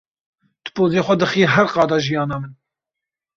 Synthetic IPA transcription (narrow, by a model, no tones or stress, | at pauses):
d̪̥ɨ̥pʰoːzeːxʷɛd̪ɨxiːɦæɾqɑːd̪ɑːʒijɑːnɑːmɨn